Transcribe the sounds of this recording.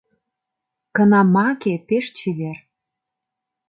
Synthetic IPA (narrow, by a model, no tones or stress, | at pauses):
kə̆nɑmɑkepeʃt͡ɕʰiβer